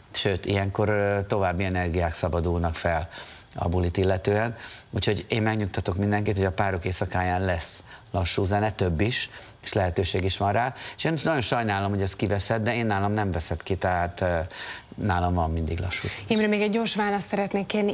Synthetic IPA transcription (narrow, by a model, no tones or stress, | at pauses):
ʃøːt̪ḭjɛŋko̞rt̪o̞vaːbːiɛnɛrɡijaːksɒbɒd̪ulnɒkfɛl | ɒ̰bulit̪ilːɛt̪øːɛnucʰho̞ɟeːmmɛɡɲukt̪ɒt̪o̞kmind̪ɛŋkit̪ho̞ɟɒpaːɾo̞keːsɒkaːjaːnlɛs | lɒʃːuːzɛnɛt̪ø̞bːiʃ | e̥ːʃlɛɦɛt̪øːʃeːɡiʃʋɒnraːeʃeːniʃnɒɟjo̞nʃɒjnaːlo̞mhoɛskivɛsɛt̪̚d̪ɛeːnːaːlɒmnɛmvɛsɛt̪kit̪ɛɦaːt̪ː | naːlɒmvɒmːind̪iɡlɒ̰ʃːuːeːmɾɛmeːɡɛɟːoːrʃʋaːlɒst̪sɛɾɛt̪neːkːeːrni